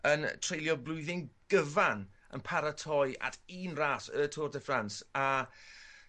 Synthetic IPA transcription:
əntʰr̥ejlˠjɔblˠʊɨðɪŋɡ̥əvanə̰npʰaɾatʰɔja̰tʰiːnraːsəːtʰɔːrdəfransa

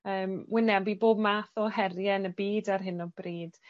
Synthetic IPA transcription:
əːmwɪnɛbiboːbmaːθɔɦɛrjɛnəbiːdarɦɪnɔb̥riːd̥

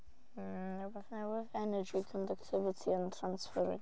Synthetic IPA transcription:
əbəθnɛwɪðɛnəd͡ʒikʰɔ̃ndək̚tʰɪvɪtʰiə̃ntʰɹãnsfəɹɪ̰̃

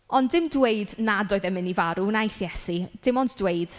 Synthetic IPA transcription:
ɔndɪmdwejdnadɔːɨðɛmɪnivaɾunajθjɛsid̥ɪmɔndd̥wejd̥

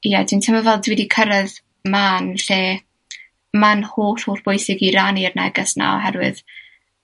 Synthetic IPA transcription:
ijadʰintʰəmavɛlˠdwiːdikʰəɾəð | maːnɬeː | manhoːɬhoːɬb̥ʊjsɪɡiɾanirnɛ̰ɡəsna̰ɔ̰ɦɛɾwɨ̰ð

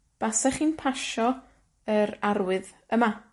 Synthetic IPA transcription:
b̥asɛχinpʰaʃɔ | əɾarwɨð | əma

